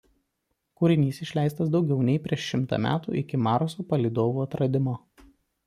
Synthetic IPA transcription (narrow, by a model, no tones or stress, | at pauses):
kʊːɾʲɪnʲiːsɪʃʲlʲæˑɪst̪ɐs̬d̪ɒʊɡʲɛʊnʲɛɪpʲɾʲiɛʃʃʲɪmt̪ɑ̰ːmʲæ̰ːt̪ṵʔɪkʲɪmɑːɾosoːpɐlʲiːd̪oːʋuːɐt̪ɾɐd̪ʲɪmo